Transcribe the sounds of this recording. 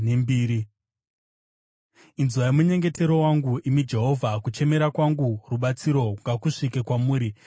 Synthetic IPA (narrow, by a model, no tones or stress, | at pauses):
nembiːɾi | inzuʋaimuɲe̞ŋɡe̞te̞ɾo̞waŋɡuʔimid͡ʒe̞ɦo̞vʱakut͡ʃe̞me̞ɾakwaŋɡuruɓat͡siɾo̞ŋɡakuʂikekwamuːɾi